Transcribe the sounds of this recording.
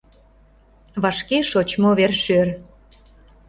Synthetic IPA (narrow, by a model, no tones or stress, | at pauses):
βɑʃkeʃot͡ɕmoβerʃør